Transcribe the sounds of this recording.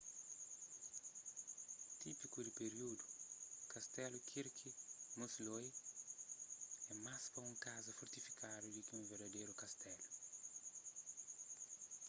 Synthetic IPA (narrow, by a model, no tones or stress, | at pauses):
t̪ipikud̪ipeɾiud̪ukɐst̪ɛlukʰiɾkʰimosloj | ɛmaspɐũŋkazɐfoɾt̪ifi̥kad̪udikiũveɾd̪ɐd̪ejɾukɐst̪ɛlu